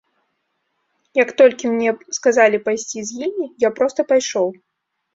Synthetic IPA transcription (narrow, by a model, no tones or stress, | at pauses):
jɐkt̪ɔlʲkʲimnʲɛskazalʲipajsʲt͡sʲizʲjimʲijapɾɔst̪ɐpajʂɔw